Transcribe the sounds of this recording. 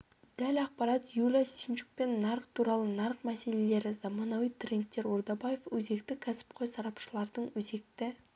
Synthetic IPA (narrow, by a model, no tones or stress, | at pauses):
d̪̥ælɑq̚pɑɾɑt̪julʲɑsint͡ʃu̥k̚pe̞nːɑɾqt̪ʰuɾɑlˠənɑɾqmæse̞le̞le̞ɾɪzɑmɑnɑwijt̪ʰrʲent̪ːe̞ɾoɾd̪ɑbaje̞fwɵze̞k̚t̪ɪkʲʰæsɪ̥p̚qʰojsɑɾɑpʃəlˠɑɾd̪əɴwɵze̞k̚t̪ɪ